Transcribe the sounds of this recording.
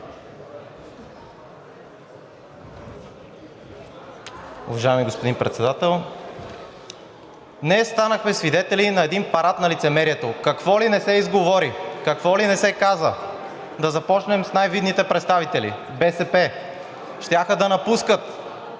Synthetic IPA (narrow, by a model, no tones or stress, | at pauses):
ʊ̰vɐʒajɛmiɡospod̪inpɾɛt̪sɛd̪at̪ɛlˠ | nɛst̪anəxmɛsvid̪ɛt̪ɛlinɐɛd̪inpɐɾat̪nɐlit̪sɛmɛɾiɛt̪okɐkvɔlinɛsɛizɡovɔɾikɐkvɔlinɛsɛkazə | d̪ɐzɐpɔt͡ʃnɛmsnajvid̪nit̪ɛpɾɛt̪st̪avit̪ɛlḭ | bɛsɛpɛ | ʃt̪ʲaxəd̪ɐnɐpuskət̪